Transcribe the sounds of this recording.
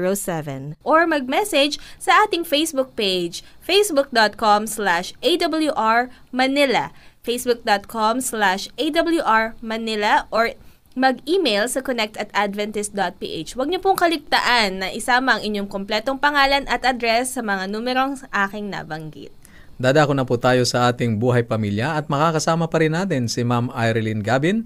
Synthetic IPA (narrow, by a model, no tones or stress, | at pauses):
ɹosɛvɛ̰nʔoɹmɐɡ̚mɛsɛd͡ʒsɐʔaːt̪ɪŋfejsbʊk̚ped͡ʒfejsbʊk̚d̪ot̪̚komslaʃʔejd̪ɐbɐljuʔaɹmɐnɪlɐ̰fejsbʊk̚d̪ot̪̚kʰomslaʃʔejd̪ɐbljuʔaɹmɐnɪlɐʔoɹ | mɐɡiːmejlsɐkonɛk̚t̪ɐt̪ad̪vɛnt̪ɪs̚d̪ot̪̚pḭːʔḛt͡ʃwɐɡ̚ɲopʊŋkɐlɪɡ̚t̪ɐʔanːɐʔɪsaːmɐʔɐŋʔɪɲːoŋkomplɛːt̪oŋpɐŋaːlɐnɐt̪ʔɐd̪ɾɛsːɐmɐŋanuːmɛɾoŋʔaːkɪŋna̰bɐŋɡḭt̪̚ | d̪aːd̪aːkonɐput̪aːjo̞sɐʔaːt̪ɪŋbuːɦɐjpɐmiːljɐɐt̪̚mɐkaːkɐsaːmɐpɐɾɪnːaːt̪ɪnsɪmamajɾlinɡaːbɪn